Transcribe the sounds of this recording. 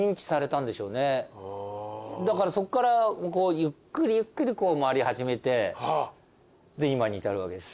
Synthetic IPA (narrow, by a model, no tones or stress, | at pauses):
ĩɲ̟ki̥saɾe̞t̪ãnd̪e̞ɕo̞ːne̞ | d̪akaɾaso̞kːaɾako̞ːjɯkːɯ̟ɾʲijɯ̟kːɯ̟ɾʲiko̞ːmaɾʲihaʑime̞t̪e̞ | d̪e̞imaɲ̟iːt̪aɾɯ̟βa̰ke̞d̪e̞s